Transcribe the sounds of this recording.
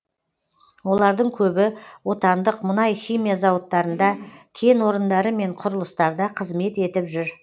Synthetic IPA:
wo̞lˠɑɾd̪əɴkʲʰɵbɪwo̞t̪ɑnd̪əqmʊnɑjχijmijazɑwət̪ːɑɾənd̪ɑkʲʰe̞nwo̞ɾənd̪ɑɾəme̞ɴqʰʊɾəlˠəst̪ɑɾd̪ɑqʰəzme̞t̪e̞t̪ɪpʒʏɾ

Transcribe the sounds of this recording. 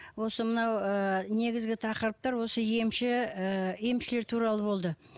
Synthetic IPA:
wo̞səmənɑwəne̞ɡʲɪzɡʲɪt̪ʰɑqəɾəp̚t̪ɑɾwo̞səje̞mʃɪje̞mʃɪleɾt̪ʰuɾɑlˠəbo̞lˠd̪ə

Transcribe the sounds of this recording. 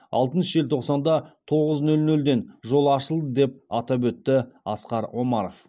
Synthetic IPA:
ɑ̰lˠt̪ənʃʒe̞lt̪ʰo̞qsɑnd̪ɑt̪ʰo̞ʁəznɵlnɵld̪e̞nʒo̞lˠɑʃəlˠd̪əd̪e̞p̚ɑt̪ɑp̬wɵt̪ːɪɑsqɑɾwo̞mɑɾof

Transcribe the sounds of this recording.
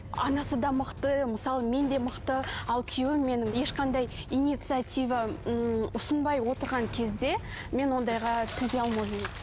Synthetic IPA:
ɑ̰nɑsəd̪ɑməqt̪əməsɑlˠəme̞nd̪e̞məqt̪əɑlˠkʲʰʏjewɪmːe̞nɪŋje̞ʃqɑnd̪ɑj | ijnijt̪sɨat̪ʲijvɑ | ʊsənbɑjwo̞t̪əɾʁɑŋkʲʰe̞zd̪e̞ | me̞nwo̞nd̪ɑjʁɑt̪ʰɵzeɑlˠmɑm

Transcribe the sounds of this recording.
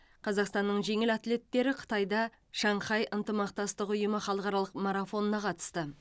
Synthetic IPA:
qʰɑzɑqst̪ɑnːəɴʒe̞ŋɪlat̪le̞t̪ːe̞ɾɪqʰə̥t̪ɑjd̪ɑ | ʃɑɴχɑjʔənt̪əmɑq̚t̪ɑst̪əqʊjəməχɑlˠəqɑɾɑlˠəqmaɾafo̞nənɑqʰɑt̪ə̥st̪ə

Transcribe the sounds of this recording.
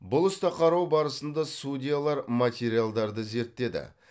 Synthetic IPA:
bʊlˠʏst̪ɑqʰɑɾɑwbɑɾəsənd̪ɑsudʲijalˠɑɾmat̪ʲe̞ɾijalˠd̪ɑɾd̪əze̞ɾt̪ːe̞d̪ɪ̰

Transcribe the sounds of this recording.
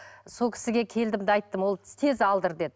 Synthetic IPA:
so̞lkʰʲɪ̥sɪɡʲe̞kʲʰe̞ld̪ɪmd̪ɪɑjt̪ːəmwo̞lˠt̪ʰe̞zɑlˠd̪əɾd̪e̞d̪ɪ

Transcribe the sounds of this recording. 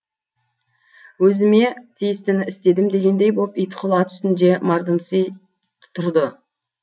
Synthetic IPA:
wɵzɪme̞t̪ʰijɪst̪ɪnɪst̪e̞d̪ɪmd̪e̞ɡʲe̞nd̪e̞jbopijt̪qʰʊlˠɑt̪ʰʏ̥st̪ɪnd̪e̞mɑɾd̪əmsij | t̪ʰʊɾd̪ə

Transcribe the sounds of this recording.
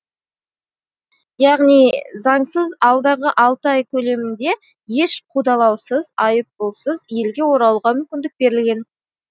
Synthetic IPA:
jɑʁnijzɑɴsəzɑlˠd̪ɑʁəʔɑlˠt̪əɑjkʲʰɵle̞mɪnd̪e̞ | je̞ʃqʰud̪ɑlˠɑwsəzɑjəp̚bolˠsəzje̞lɡʲe̞wo̞ɾɑlˠʁɑmʏmkʲɪnd̪ɪk̚be̞ɾɪlɡʲe̞n

